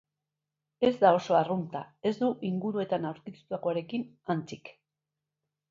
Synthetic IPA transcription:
e̞zd̪ao̞so̞arunt̪ae̞zd̪uʔiŋɡuɾue̞t̪anawɾt̪ist̪uako̞aɾe̞kin | ant͡sik

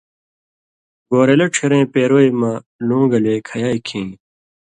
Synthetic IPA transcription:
ɡoːɾelɐʈ͡ʂʰiɾẽːpeːɾoːimɐ | lũːɡɐlekʰɐjaːikʰĩː

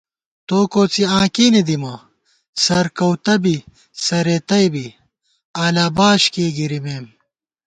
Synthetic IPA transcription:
t̪oːkoːt͡siãːkiːnid̪imɐ | sɐɾkɐwt̪ɐbi | sɐɾet̪ɐjbi | aːlaːbaːɕkeːɡiɾimeːm

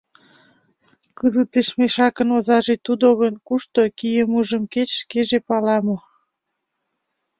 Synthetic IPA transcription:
kəzət̪eʃmeʃɑkənozɑʒet̪ud̪oɣənkuʃt̪okijəmuʒəmket͡ɕʃkeʒepɑlɑmo

